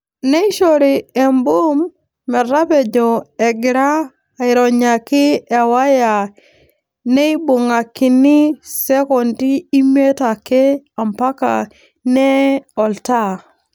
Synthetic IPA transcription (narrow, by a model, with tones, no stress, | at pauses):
ne˦i˦ʃo˨ɾi˨ɛ˨mbo˦mː | ɛ˨ɾa˦pe˨d͡ʒɔ˨ɛ˨ɡɪ˨ɾaː˦˨ | ɪ˨ɾɔ˨ɲa˨kɪ˦a˨wa˦ja˨ | ne˦i˦bo˨ŋa˨kɪ˨nɪ˦sɛ˦kɔ˨ntiː˦me˦ta˨kɛ˦ | a˨mpa˦ka̰˨ | nɛ˦ɔ˨lta˦